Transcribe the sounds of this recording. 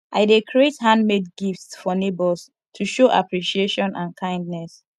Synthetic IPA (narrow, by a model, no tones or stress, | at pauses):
ʔaɪdekʰɹiethãndmedɡiftsfɔnebɔls | tʰuʃoʔa̰pɹiʃieʃɔ̃nʔãnkʰãɪ̃ndnɛs